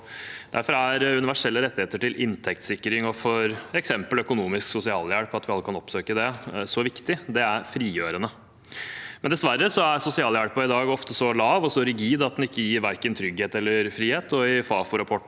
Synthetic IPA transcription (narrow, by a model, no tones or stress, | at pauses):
d̪æ̰ɾfɔɾæɾʉnɪʋæʂɛlːəɾɛt̪ːɪheːt̪əʈɪlʔɪnt̪ʰɛkt̪sɪkːɾɪŋɔfɔɾɛksɛmpəlœkʊnuːmɪsksʊsɪɑ̰ːljæɽpɑt̪ʋɪɑlːəkʰɑnɔpsøːkəd̪ɛsɔʋɪkt̪ɪd̪ɛæɾfɾiːjøːɾənə | mmɛnd̪ɛsʋæɾːəsɔæɾsʊsɪɑːljæɽpəɪd̪ɑːɡɔft̪əsɔlɑːʋɔsɔɾɪɡiːd̪ɑt̪d̪ɛnɪkːəjiːɾʋæɾkənt̪ʰɾʏɡheːt̪ɛlːəɾfɾiːheːt̪ɔɪfɑːfʊɾɑpʰɔʈː